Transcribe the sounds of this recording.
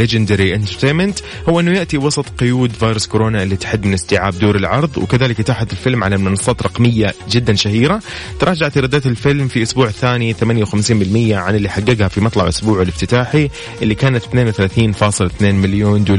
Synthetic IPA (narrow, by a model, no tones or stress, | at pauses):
led͡ʒɪnd̪aɾiʔɪnt̪ɑɾt̪eːnmɪnt̪ | hʊwːʔɪnːʊjɪʔt̪iwɑsˤɑt̪ˤqʊjuːd̪vaːjɾʊskʊɾoːnaʔɪlːit̪ɪ̥ħɪd̪ːmɪnɪst̪ɪʕaːb̚d̪oːɾɪlʕɑɾˤðˤwɪkaðaːlɪkɪt̪aːħat̪ɪlfɪlmʕalamɪnɑsˤːɑːt̪ɾˤɑqmɪjːad͡ʒɪd̪ːanʃahiːɾa | t̪ɑɾˤɑːd͡ʒaʕat̪ɾˤɑd̪ːaːt̪ɪlfɪlmfiʔʊsbuːʕɪθːaːniθamanjawxamsiːnbɪlmɪjːaʕanɪlːiːħaɡːaɡhafimɑt̪ˤlɑʕʔʊsbuːʕɪlɪft̪ɪt̪aːħi | ʔɪlːikaːnat̪θneːnwɪθalaːθiːnfɑːsˤɨlθneːnmɪljoːnd̪uːl